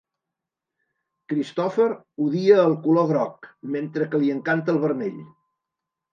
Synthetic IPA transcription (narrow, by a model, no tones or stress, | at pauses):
kɾist̪ɔfəɾ | uðiəːlˠkuloɣɾɔkment̪ɾəkəliəŋkant̪əːlˠβərmeʎ